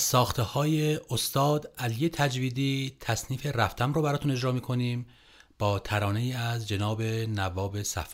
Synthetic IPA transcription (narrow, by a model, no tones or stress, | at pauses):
sɒːxt̪ʰehɒːje̞ost̪ɒːd̪ælije̞t̪ʰæd͡ʒviːd̪iːt̪ʰæsniːfe̞ræft̪ʰæmɾoːbæɾɒːt̪une̞d͡ʒɾɒːmiːkʰo̞niːm | b̥ɒːt̪ʰæɾɒːne̞iːæzd͡ʒe̞nɒːbe̞nævɒːbe̞sæ̰f